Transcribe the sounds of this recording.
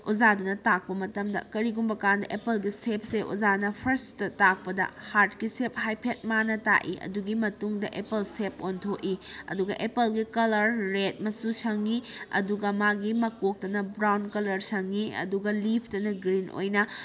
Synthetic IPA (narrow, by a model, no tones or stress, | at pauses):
uzadunɐtak̚pɐmɐtɐmdɐ̰kɐɾiɡumbɐkandɐʔepɐlɡisep̚seʔṵzanɐpʰɐɾstɐtak̚pɐdɐ̰haɾt̚kisep̚hajpʰet̚manɐta̰ʔḭʔɐ̰duɡimɐtuŋdɐʔepɐlsep̚ontʰoʔiɐ̰duɡɐʔepɐlɡikɐlɐɾːet̚mɐsusɐŋiɐ̰duɡɐmaɡimɐkok̚tɐnɐbɾawnkɐlɐɾsɐŋiɐ̰duɡɐlipʰtɐnɐɡɾinʔo̰jnɐ